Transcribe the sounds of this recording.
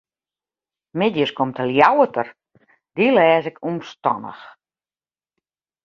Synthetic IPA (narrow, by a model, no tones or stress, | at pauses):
mɪdjəskomtʰəljawətʰər | dilɛːzɪkʰumstɔ̰nə̰x